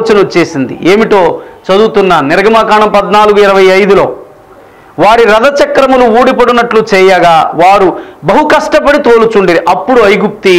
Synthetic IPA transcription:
t͡ʃɐnɐot͡ʃːeːsind̪ḭeːmiʈo̞ːt͡ʃɐd̪uːt̪unːaniɾɐɡɐmaːkaːɳɐmpɐd̪naːluɡuiɾɐʋɐjɐjd̪ulo̞ː | ʋaːɾiɾɐd̪ɐt͡ʃɐkɾɐmunuuːɽipɐɽunɐʈlut͡ʃɛːjaːɡaːʋaːɾubɐɦukɐʂʈɐpɐɽit̪oːlut͡ʃuɳɖiɾiʔɐpːuɽuɐjɡup̚t̪i

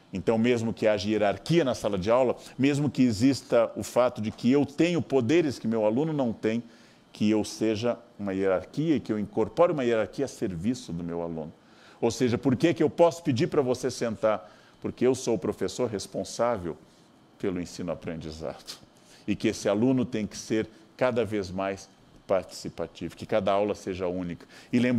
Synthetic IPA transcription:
ẽnt̪ɐ̃w̃mezmʊkɪaʒɐieɾaɾkiɐnɐsalɐd͡ʒɪawlɐmezmʊkɪezist̪ɐʊfat̪ʊd͡ʒɪkɪewt̪ẽɲʊpod̪eɾɪskɪʊmewalũnʊnɐ̃w̃t̪ẽj̃ | kɪewseʒɐũmɐieɾaɾkiɐɪkɪewĩŋkoɾpoɾɪũmɐieɾaɾkiɐseɾvisʊd̪ʊmewa̰lṵ̃nʊ | owseʒɐpoɾkekɪewpɔsʊ̥pɪd͡ʒiɾpɾɐvosesẽnt̪aɾ | poɾkeewsoʊpɾofesoɾɦespõsavḛw | pelʊẽsĩnʊapɾẽnd͡ʒiza̰d̪̥ʊ̥ | ɪkɪesɪalũnʊt̪ẽj̃kɪ̥seɾkad̪ɐvezmajs | paɾt͡ʃi̥sipat͡ʃivʊkɪkad̪ɐawlɐseʒɐũnikɐ̥ɪlẽmb

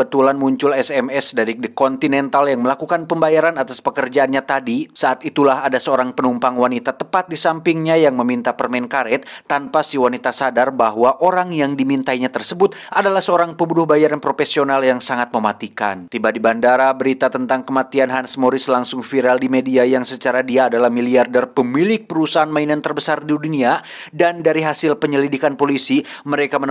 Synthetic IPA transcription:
bət̪ulanmuɲt͡ʃʊlɛsɛmɛsdaɾidəkɔnt̪inɛnt̪aljaŋməlakukanpəmbajaɾanat̪aspəkərd͡ʒaːnɲat̪adisaʔːt̪it̪ulaɦadasəoɾaŋpənumpaŋwanit̪at̪əpat̪̚disampiŋɲajaŋməmint̪apərmɛnkaɾɛt̪̚ːanpasiwanit̪asadarbaɦwaʔoɾaŋjaŋdimint̪aiɲat̪ərsəbʊt̪̚ʔadalahsəoɾaŋpəmbudʊhbajaɾanpɾofesionaljaŋsaŋat̪̚məmat̪ika̰nt̪ibadibandaɾabəɾit̪at̪ənt̪aŋkəmat̪ianɦansmoɾɪslaŋsʊŋfiɾaldimediajaŋsət͡ʃaɾadiaːdalahmiliardɛrpəmilɪk̚pəɾusaɦanmainant̪ərbəsardidunia | dandaɾiɦasɪlpəɲəlidikanpolisiməɾekamən

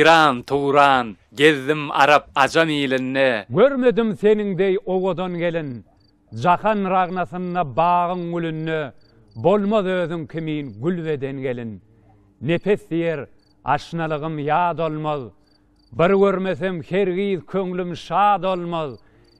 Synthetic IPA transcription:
ɾɑːnt̪ʰuːɾɑːn | ɡʲeðːɪmɑ̰ɾɑp̚ɑd͡ʒɑmiːlɪnːeɡøɾme̞d̪ɪmse̞nɪŋd̪ejowod̪onɡe̞lin | d͡ʒɑχɑnɾɑʁnɑθɯnd̪ɑbɑːʁɯŋɡylynːø | bolˠmoðøːðyŋkʲʰɪmiːnɡylved̪enɡʲe̞lɪnː | e̞pʰeθd̪ijeɾ | ɑ̰ʃnɑlˠɯʁɯmjɑːd̪olˠmoð | bɪɾɡʲøɾmeθemheɾɣiːðkʲʰøŋlymʃɑːd̪olˠmoð

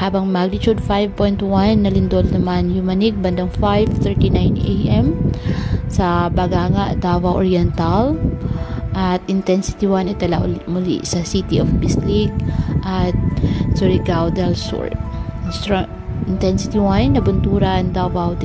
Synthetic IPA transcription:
haːbɐŋmaɡ̚nɪt͡ʃud̪̚fajvpojnt̪wanːɐlɪnd̪olnɐmanjʊmɐnɪɡ̚bɐnd̪ɐŋfajvt̪ɛɹt̪inajnɛ̰ʔɛm | sɐbɐɡaːŋɐʔd̪awawʔoɹiɛnt̪ɐl | ʔɐt̪ɪnt̪ɛnsɪ̥t̪iwanɐt̪ɐlaʔlmʊlḭsɐsit̪iʔofbislik̚ʔɐt̪̚sʊɹiɡawd̪ɛlsṵɹɪnst̪ɾa | ʔɪnt̪ɛnsɪ̥t̪iwannːɐbʊnt̪uːɾɐnd̪awawd̪

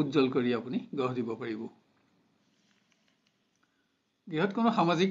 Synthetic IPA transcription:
utzɔlkoɹiapuniɡɔɦdibɔpaɹibɔ | ɡiɦɔtkonɔxamazik

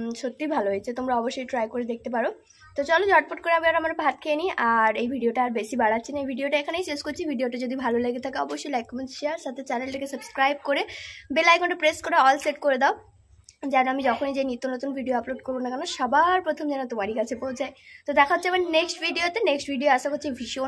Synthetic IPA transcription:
ʃot̪ːibʱaloɦoet͡ɕʰet̪omɾaɔboʃːojʈɾajkoɾed̪ek̚t̪epaɾo | t̪ot͡ɕɔlod͡ʑɔʈ̚poʈ̚koɾeamiaɾamaɾpat̪̚kʰeeniaɾejbʱiɖioʈaaɾbeʃibaɽat̪ːɕʰinaejbʱiɖioʈaekʰanejseskoɾt͡ɕʰibʱiɖioʈad͡ʑod̪ibʱaloleɡet̪ʰakeɔboʃːojlajkːɔmenʃeaɾʃat̪ʰet͡ɕɛnelʈekesəbskɾajb̚koɾebelajkɔʈepɾeskoɾeɔlseʈkoɾed̪ao | d͡ʑanoamid͡ʑɔkʰonid͡ʑenit̪ːonot̪unbʱiɖioaploɖkoɾbonakɛnoʃɔbaɾpɾot̪ʰomd͡ʑanot̪omaɾikat͡ɕʰepowd͡ʑaet̪od̪ɛkʰaɦotːɕʰiamaneksʈbʱiɖiot̪eneksʈbʱiɖioaʃakotːt͡ɕʰivʱiʃo

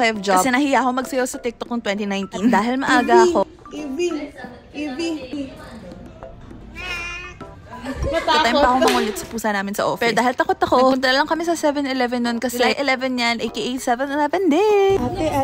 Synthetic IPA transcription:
ajfd͡ʒasɛnɐhɪjaʔkomɐɡ̚sɐjosɐt̪ɛk̚t̪ok̪̚ʊŋt̪wɛnt̪inajnt̪ind̪aːɦɪlmɐʔaːɡɐɐko̞ | bi | ʔibi | ɐt̪ajmmpɐkomɐŋʊlɛt̪sɐpuːsɐnaːmɪnsɐ̰ʔofɛd̪aːɦɪlt̪ɐkot̪ɐkopʊnt̪̬ɐnlɐŋkɐmɪsɐsɛvɛnɛlɛvɛnːonkɐsɛɛʔɛlɛvɛnjanʔejkiʔejt̪sɛvɛnɛlɛvɛnd̪ɛ

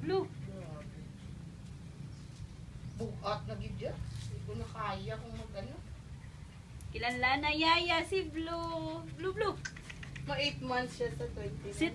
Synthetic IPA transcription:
bluoʔ | buɡʔat̪̚nɐɡɪd̚d͡ʒadikʊnɐkaːjɐkʊŋmɐɡ̚ʔɐno | kɪlalanɐjajasiblublublu | mɐʔejt̪mant̪sʃasɐt̪wɛnt̪isɪ

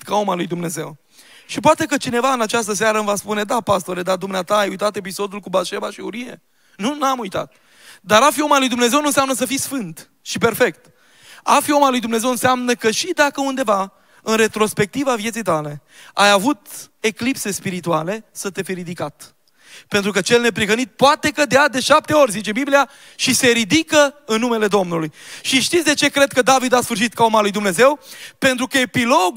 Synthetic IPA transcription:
kao̞malujd̪umne̞ze̞w | ʃip̬oat̪e̞kət͡ʃine̞vaɨnat͡ʃast̪əs̬aɾəmvaspune̞d̪apast̪o̞ɾed̪ad̪umneat̪aːjujt̪at̪e̞p̬iso̞d̪ulkubaʃevaʃiuɾiḛ | nunamujt̪a̰t̪̚ | d̪aɾafio̞malujd̪umne̞zewnunseamnəs̬əfisfɨnt̪ | ʃipe̞rfe̞kt̪ | a̰fio̞malujd̪umne̞ze̞wɨnseamnəkəʃid̪akəund̪e̞va | ɨnre̞t̪ɾo̞spe̞k̚t̪ivavjet̪sijt̪ale̞ | ajavut̪e̞klipse̞spiɾit̪uale̞sət̪efieɾid̪ikat̪ | pe̞nt̪ɾukət͡ʃe̞lne̞pɾiɣənit̪̚poat̪e̞kəd̪ead̪e̞ʃap̚t̪e̞o̞rʲzit͡ʃe̞biblia | ʃise̞ɾid̪ikəɨnːume̞le̞d̪o̞mnulujʃiʃt̪it̪sd̪e̞t͡ʃe̞kɾe̞d̪̚kəd̪avid̪asfɨrʃ̬it̪kao̞malujd̪umne̞ze̞wpe̞nt̪ɾukəe̞piloɡ

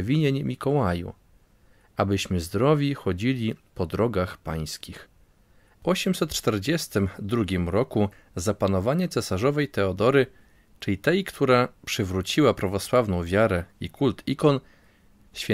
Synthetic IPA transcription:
vʲiɲeɲmʲikɔwajṵ | abɘɕmɘzd̪ɾɔvʲjixɔd͡ʑilʲipɔd̪ɾɔɡaxpaj̃skʲix | ɔɕɛmsɛt̪t͡ʂt̪ɛɾd͡ʑɛst̪ɘmd̪ɾuɡʲimɾɔku | zapanɔvaɲɛt̪sɛsaʐɔvɛjt̪ɛɔd̪ɔɾɘ | t͡ʂɘlʲit̪ɛjkt̪ʰuɾapʂɘvɾut͡ɕiwapɾavɔswavnɔ̃w̃vʲjaɾɛikʰult̪ʰikɔn | ɕfʲɛ

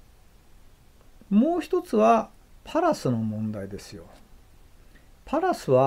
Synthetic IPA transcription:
mo̞ːçi̥t̪o̞t͡sɨβa | pʰaɾasɨno̞mõ̞nd̪aid̪e̞sɨjo̞ | pʰaɾasɨβa

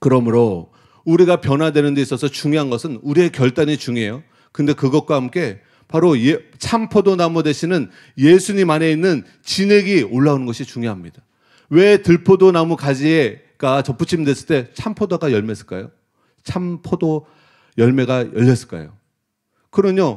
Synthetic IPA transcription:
kɯɾʌmɯɾo | uɾiɡapjʌnadwe̞nɯnde̞is͈ʌsʰʌt͡ɕuŋjoɦanɡʌsʰɯnuɾie̞kjʌɭt͈aɲit͡ɕuŋie̞jo | kɯnde̞kɯɡʌt̚k͈waɦamk͈e̞ | paɾojet͡ɕʰampʰodonamudeɕʰinɯn | je̞sʰuɲimane̞inːɯn | t͡ɕine̞ɡioɭːaunɯnɡʌɕʰit͡ɕuŋjoɦamɲid̥a | we̞tɯɭpʰodonamukad͡ʑie | k͈at͡ɕʌp͈ut͡ɕʰimidwe̞s͈ɯɭt͈e̞t͡ɕʰampʰodaɡajʌɭme̞s͈ɯ̥ɭk͈a̰jo | t͡ɕʰampʰodo | jʌɭme̞ɡajʌʎːʌs͈ɯ̥ɭk͈a̰jo̰ | kɯɾʌɲo

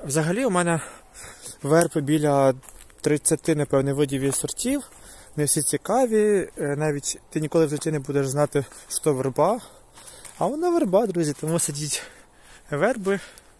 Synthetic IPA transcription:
ʋzɐɦɐlʲiʊmɛnɛ | ʋɛrpɪbʲilʲɐt̪ɾɪt͡sʲːɐt̪ɪnɛpɛwnɪʋɪdʲiʋʲisɔrtʲiw | nɛwsʲit͡sʲikɑʋʲinɑʋʲitʲt̪ɪnʲikɔlˠɪwt̪ɪtʲinɛbud̪eʒznɑt̪ɪʃt̪ɔʋɛrbɑ | ɐʋɔnɑʋerbɑd̪ɾuzʲit̪ɔmusɐdʲitʲ | ʋɛrbɪ

